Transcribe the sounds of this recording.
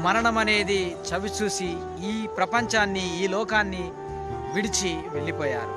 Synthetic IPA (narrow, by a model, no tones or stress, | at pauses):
mɐɾɐɳɐmɐne̞ːd̪it͡ʃɐʋit͡ʃuːsi | iːpɾɐpɐɲt͡ʃaːnːiiːlɔːkaːnːi | ʋiɽit͡ʃiʋeɭːipɔːja̰ːɾu